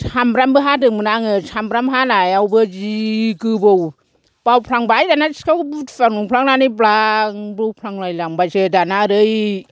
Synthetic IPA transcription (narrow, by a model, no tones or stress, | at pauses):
shambɾambɯɦadɯmɯnaŋɯshambɾamɦanajawbɯd͡ʒiɡɯbow | b̥awpʰlaŋbajdanasi̥kawbutfaŋnuŋpʰlaŋnanɯjblaŋbɯwpʰlaŋlajlaŋbajsɯdanaɾɯj